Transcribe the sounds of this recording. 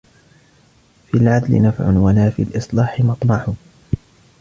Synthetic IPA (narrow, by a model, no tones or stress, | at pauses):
filʕad̪lɪ̰nafʕʊ̰nwalaːfḭlʔɨsˤlɑːħɪmɑt̪ˤmɑħʊ